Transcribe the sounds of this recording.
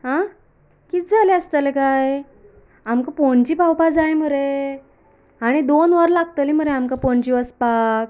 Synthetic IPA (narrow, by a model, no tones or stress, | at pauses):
ɦã | kiːt̪d͡zʱaleəst̪əlekaj | amkapoɳt͡ɕiːpawpad͡zajm̤əɾe | aɽ̃id̪onʋəɾlaɡ̚t̪əlim̤əɾeamkapoɳt͡ɕiːəspak̚